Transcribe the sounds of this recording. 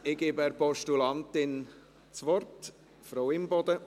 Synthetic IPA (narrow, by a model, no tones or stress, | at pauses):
ɪɡ̥eːbɛɾpɔʃtulɑnt̪ɪn | t͡sʋɔrt | fɾowɪmbɔd̥̪ə